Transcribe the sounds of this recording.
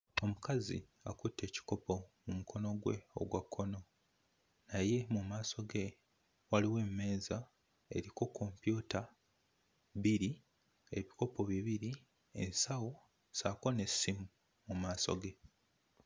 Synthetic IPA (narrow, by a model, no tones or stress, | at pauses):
o̞mukazḭ | a̰kutːe̞ːci̥ko̞po̞mumukʰo̞no̞ɡwe̞̰o̞̰ɡwakʰːo̞no̞ | naje̞mumaːso̞ɡe̞ | waliwe̞ːme̞ːza | e̞̰ɾiko̞kʰːo̞mpjuta | βiɾi | e̞βiko̞po̞βiβiɾi | e̞̰nsawo̞ | saːko̞ne̞simu | mumaːso̞̰ɡe̞